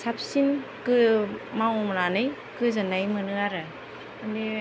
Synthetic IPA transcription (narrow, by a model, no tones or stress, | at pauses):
sap̚ʰsinkɯmawmɾanɯj | kɯzanajmɯnɯaɾɯ | andi